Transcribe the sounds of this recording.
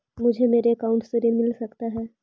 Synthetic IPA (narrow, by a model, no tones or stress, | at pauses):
mʊd͡ʒʱemeːɾeəkaːʊ̃ɳʈseɾiɾmɪlsɐkt̪aɦɛː